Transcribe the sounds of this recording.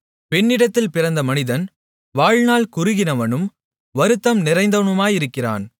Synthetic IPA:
pɛnːɪɽɐt̪ːɪlpɪrɐnd̪ɐmɐnɪðɐn | ʋaːɻnaːlkʊɾɯɣɪnɐʋɐnɯm | ʋɐɾɯt̪ːɐmnɪɾɐɪnd̪ɐɳɯmaːjɪɾɯkːɪra̰ːn

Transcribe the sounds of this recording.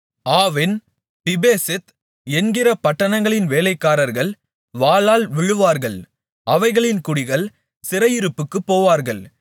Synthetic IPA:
aːʋɪn | pɪbeːsɛt̪ | ɛnɡɪɾɐpɐʈːɐnɐŋɡɐɭɪnʋeːlɐɪkːaːɾɐɾɣɐɭ | ʋaːlaːlʋɪɻɯʋaːɾɣɐɭ | ɐʋɐɪɣɐɭɪnkʊɽɪɣɐɭ | sɪɾɐjɪɾɯpːɯkːɯpːoːʋaːɾɣɐɭ

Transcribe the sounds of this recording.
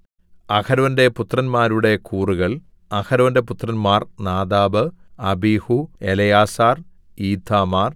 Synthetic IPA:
ɐkʰɐɾɐʋɐnde̞put̪rɐnmaːɾuɽe̞kuːruɣɐɭ | ɐkʰɐɾɐʋɐnde̞put̪rɐnmaːrnaːd̪aːbɨɐbihuelɐjaːsaːr | iːt̪ʰːaːmaːr

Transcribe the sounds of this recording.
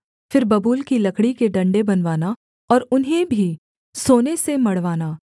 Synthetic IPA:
fɪɾbɐbuːlkilɐkʰɽikeɖɐ̃ɳɖebɐnʋaːna | ɔːɾʊnɦẽbʱi | soːnesemɐɽ̤ʋaːnaː

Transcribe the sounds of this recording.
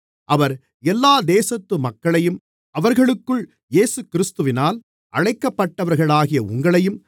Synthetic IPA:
ʔɐʋɐɾ | ɛlːaːd̪eːsɐt̪ːɯmɐkːɐɭɐjɯm | ʔɐʋɐɾɣɐɭɯkːɯɭ | jeːsɯkɪɾɪst̪ɯʋɪnaːl | ʔɐɻɐɪkːɐpːɐʈːɐʋɐɾɣɐɭaːɣɪjɐʊ̰ŋɡɐɭɐjɯm

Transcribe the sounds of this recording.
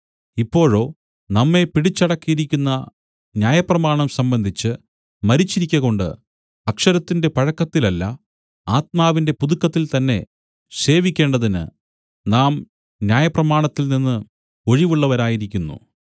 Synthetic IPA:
ipːo̞ːɻo̞ː | nɐmːe̞piɽit͡ɕːɐɽɐkːijiɾikʲːunːɐ | njaːjɐprɐmaːɳɐmsɐmbɐnd̪ʱit͡ɕːɨ | mɐɾit͡ɕːiɾikʲːɐɣo̞ɳɖɨ̰ | ɐkʂɐɾɐt̪ːinde̞pɐɻɐkːɐt̪ːilɐlːɐ̰ | aːt̪̚maːʋinde̞puðukːɐt̪ːilt̪ɐnːe̞ | se̞ːʋikʲːeːɳɖɐðinɨ̰ | naːm | njaːjɐprɐmaːɳɐt̪ːilninːɨ | o̞ɻiʋuɭːɐʋɐɾaːjiɾikʲːunːṵ

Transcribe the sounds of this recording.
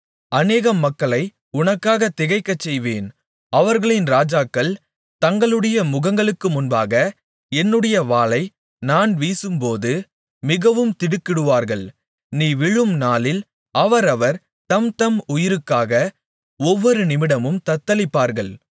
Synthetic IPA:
ɐneːɣɐmːɐkːɐɭɐɪ | ʊnɐkːaːɣɐt̪ːɪɣɐɪkːɐt͡ʃːɛjʋeːn | ɐʋɐɾɣɐɭɪnɾaːd͡ʒaːkːɐɭ | t̪ɐŋɡɐɭɯɽɐjɐmʊɣɐŋɡɐɭɯkːɯmʊnbaːɣɐ | ɛnːɯɽɐjɐʋaːlɐɪ | naːnʋiːsɯmpoːðɯ | mɪɣɐʋɯmt̪ɪɽɯkːɪɽɯʋaːɾɣɐɭ | niːʋɪɻɯmnaːlɪl | ɐʋɐɾɐʋɐɾ | t̪ɐmt̪ɐmʊjɪɾɯkːaːɣɐ | ɔʋːɔɾɯnɪmɪɽɐmɯmt̪ɐt̪ːɐlɪpːaːɾɣɐɭ

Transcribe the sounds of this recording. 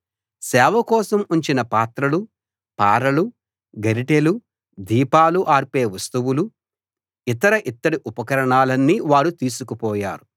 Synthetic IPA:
sɛːʋɐkɔːsɐmuɲt͡ʃinɐpaːt̪ɾɐlu | paːɾɐlu | ɡɐɾiʈelu | d̪iːpaːluʔaːɾpe̞ːʋɐst̪uwulu | it̪ɐɾɐʔit̪ːɐɽiʔupɐkɐɾɐɳaːlɐnːiʋaːɾut̪iːsukupɔːja̰ːɾu

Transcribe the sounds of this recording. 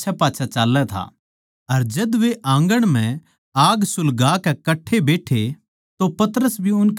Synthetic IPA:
t͡ʃʰapaːt͡ʃʰat͡ʃaːlːɛt̪ʰa̰ | ɐɾd͡ʒɐd̪ʋeʔãːŋɡəɽ̃m̤ɛ̃ | aːɡsʊlɡaːkɛkɐʈʰːebeːʈʰe | t̪opɐt̪əɾəsbʱiʊnk

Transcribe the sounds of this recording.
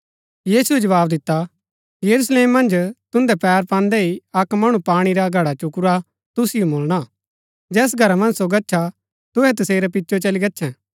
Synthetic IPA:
jiːsuɛd͡ʒɐʋaːbd̪ɪt̪ːa | jɐɾus̬leːmːɐ̃nd͡ʒt̪ʊ̃nd̪ɛpɛːɾpãːnd̪ɛiɐkmɐɽ̃upaːɽ̃iɾaɡʱɐɽat͡ʃʊkʊɾa | t̪ʊsɪjomoːlɽ̃a | d͡ʒɛːs̬ɡʱɐɾamɐ̃nd͡ʒsoɡɐtːʃʰa | t̪ʊɦɛt̪ɐseːɾɛpɪtːʃot͡ʃɐliɡɐtːʃʰɛ̃

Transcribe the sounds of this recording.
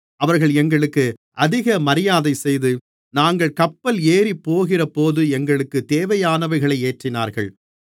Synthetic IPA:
ʔɐʋɐɾɣɐɭɛŋɡɐɭɯkːɯʔɐðɪɣɐmɐɾɪjaːðɐɪsɛjðɯ | naːŋɡɐɭkɐpːɐleːɾipːoːɣɪrɐpoːðɯɛŋɡɐɭɯkːɯt̪eːʋɐjaːnɐʋɐɪɣɐɭɐɪeːʈrɪna̰ːɾɣɐ̰ɭ

